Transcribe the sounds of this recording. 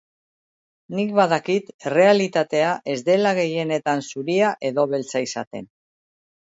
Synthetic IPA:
nikβaðakit̪re̞alit̪at̪e̞aʔe̞zd̪e̞laɣe̞je̞ne̞t̪ansuɾiaʔe̞ðo̞βe̞lt͡saisa̰t̪e̞̰n

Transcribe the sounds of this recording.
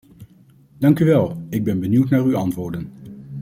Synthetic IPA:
dɑŋkyʋɛlˠɪɡ̚bɛnbəniwtnaːryɑntʋʊːɹdən

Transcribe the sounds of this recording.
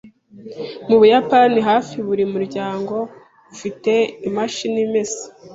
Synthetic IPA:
muβujapaniɦaːfiβuɾimuɾɟaːŋɡo̞ | βufite̞imaʃinimesi̥

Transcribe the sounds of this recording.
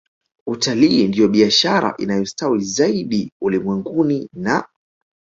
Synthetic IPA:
utaliːndijɔɓiaʃaɾa̰ʔinajɔstawizaiɗiulimwɛŋɡunina

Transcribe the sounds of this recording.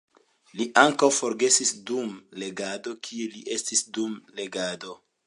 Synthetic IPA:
liʔaŋkawfo̞ɾɡe̞sisdumle̞ɡado̞kʰieliʔe̞stisdumle̞ɡado̞

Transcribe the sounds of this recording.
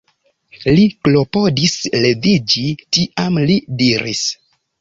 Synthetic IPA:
liklo̞podisle̞vid͡ʒitiʔamlidiɾḭs

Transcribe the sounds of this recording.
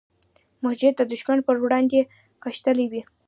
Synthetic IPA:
mʊhd͡ʒɪt̪̚d̪əd̪ʊʃmanpəɾwɽɑnd̪e | xəʃt̪əliwi

